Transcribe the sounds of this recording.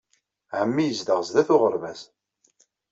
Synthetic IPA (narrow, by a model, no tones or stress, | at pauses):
ʕəmːijəzd̪əʁzðæθʊʁəɾˤvæs